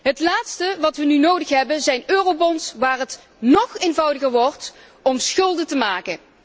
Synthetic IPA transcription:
ɦətlaːtstəʋɑtʋənynowdəxɦɛbənzɛjnøːrowbɔnsʋaːrɦət | nɔχeːnvɑwdəɣəɹʋɔɹt | ɔmsχɵlˠdətəmaːkə

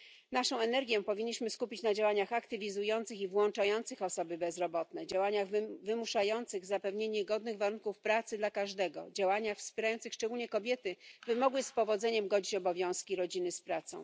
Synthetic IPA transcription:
naʂɔ̃w̃ɛnɛɾɡʲjɛpɔvʲiɲːiɕmɘskupʲit͡ɕnad͡ʑawaɲaxakt̪ɘvʲizujɔnt̪sɘxivwɔnt͡ʂajɔnt̪sɘxɔsɔbɘbɛzɾɔbɔt̪nɛd͡ʑawaɲaɣvɘmuʂajɔnt̪sɘɣzapɛvɲeɲɛɡɔd̪nɘɣvaɾuŋkufpɾat̪sɘd̪lakaʐd̪ɛɡɔ̰d͡ʑawaɲaxfspʲjɛɾajɔnt̪sɘxʂt͡ʂɛɡulɲɛkɔbʲjɛt̪ɘvɘmɔɡwɘspɔvɔd̪zɛɲɛmɡɔd͡ʑit͡ɕɔbɔvʲjɔ̃w̃skʲiɾɔd͡ʑinɘspɾat̪sɔ̰̃w̃

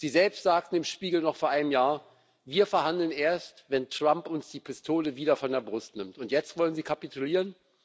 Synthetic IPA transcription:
z̥iːzɛlpstz̥aːk̚tn̩ɪmʃpiːɡl̩nɔχfoːɐʔaɪnəmjaːɐ | viːɐfɛɐhandl̩nʔeːɐstvɛntʁ̥ampʊnsd̥iːpʰɪstʰoːləviːdɐfɔndeːɐbʁʊstnɪmtʊntjɛt͡stv̥ɔlənziːkʰapituliːʁən

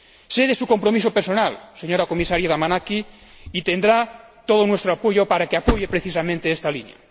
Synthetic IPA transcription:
seðesukompɾomis̬opeɾsonalseɲoɾakomisaɾjaðamanaki | it̪end̪ɾa | t̪oð̞onwest̪ɾoapojopaɾakeapojepɾeθisamẽnt̪eest̪alinja̰

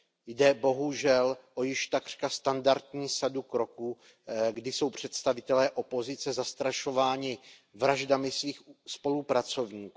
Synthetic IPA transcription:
jdɛbo̞ɦuʒɛlʔo̞jɪʃt̪akr̥kast̪andaɾt̪̚ɲiːsadukɾo̞kuː | ɡdɪso̞wpr̝̥ɛt̪st̪avɪt̪ɛlɛːʔo̞po̞zɪt͡sɛzast̪ɾaʃo̞vaːɲɪ | vɾaʒdamɪsviːxspo̞lupɾat͡so̞vɲiːkuː

